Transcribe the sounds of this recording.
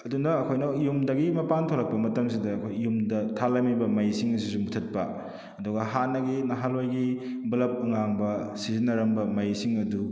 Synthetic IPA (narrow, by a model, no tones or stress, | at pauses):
ɐdunɐːkʰojnɐjumdɐɡimɐpantʰoɾɐk̚pɐmɐtɐms̬idɐːkʰojjumdɐtʰalɐmibɐmɐjsiŋɐsisumutʰɐt̚pɐ̰ | ɐduɡɐɦanɐɡinɐɦalojɡi | bɐlɐp̚uŋaŋbɐsizinɐɾɐmbɐmɐjsiŋɐdu